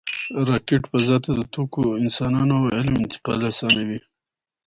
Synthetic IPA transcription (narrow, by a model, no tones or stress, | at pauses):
ɾɑkeʈpəzɑt̪ad̪ət̪okoɪnsɑnɑnoawɪlmɪnt̪ɪ̥qɑ̰lasɑnawi